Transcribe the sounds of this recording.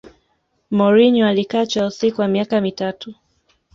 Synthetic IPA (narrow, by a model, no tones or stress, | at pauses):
mɔɾiɲɔalikaːt͡ʃausikuwamiakamitatu